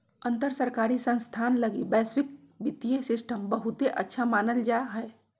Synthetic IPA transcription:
ənt̪əɾsəɾkaɾisə̃nst̪ʰanləɡibɛsʋik | bit̪ijesɪsʈəmbəɦut̪eʔə̰tːʃʰamaːnəld͡ʒaɦəe

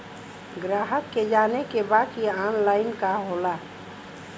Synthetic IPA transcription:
ɡɾaːɦəkːed͡ʒaːnekebaːd̪kiaːnlaːɪnkaɦoːla

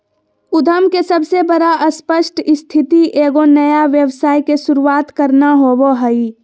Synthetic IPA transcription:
ʊd̪ʱəmkesəbsebəɾaʔəspəʃʈʰɪst̪ʰɪt̪iʔeːɡonəjaʋjəwsaːjkesʊɾuaːt̪kəɾnaɦoboɦəi

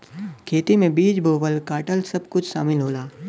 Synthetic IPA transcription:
kʰeːt̪imẽbiːd͡ʒbʱoːbəlkaːʈəlsɐb̚kʊt͡ʃʰsa̰ːmɪlɦoːlaː

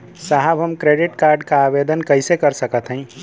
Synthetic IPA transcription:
saɦəbɦəmkɾeɖiʈkaɾɖkaːbed̪ənkəjsekəɾsəkət̪ʰɦə̃ɪ̃

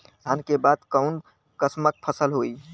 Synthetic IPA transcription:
d̪ʱankebad̪kəʊn | kəsmək̚pʰəsəlɦoi

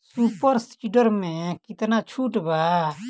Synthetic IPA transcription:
supəɾsiɖəɾmẽkɪt̪nat͡ʃʰuʈba

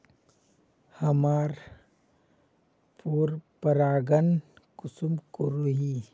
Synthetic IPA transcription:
hɐmaːɾ | puɾpəɾaːɡən | kʊsumkoɾuɦi

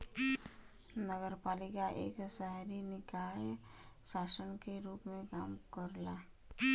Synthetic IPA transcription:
nəɡəɾpaːlɪkaʔḛːksɛɦɾinɪkaːjʃaːsənkeɾuːpmẽkaːmkəɾlaː

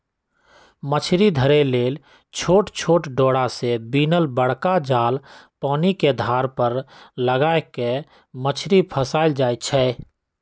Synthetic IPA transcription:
mət͡ʃʰɾid̪ʱəɾeleːl | t͡ʃʰoːʈt͡ʃʰoːʈɖoːɽasebiːnəlbəɽ̤kad͡ʒaːlpɔːniked̪ʱaːɾpəɾləɡaːeke | mət͡ʃʰɾipʰəsaːɪld͡ʒaːit͡ʃʰɛː

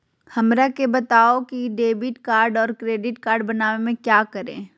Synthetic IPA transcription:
hɐmɾakebɐt̪aːokiɖeːbɪʈkaːɾɖɔːɾkɾeːɖɪʈkaːɾɖbɐnaːʋemẽkjaːkɐɾḛ̃ː

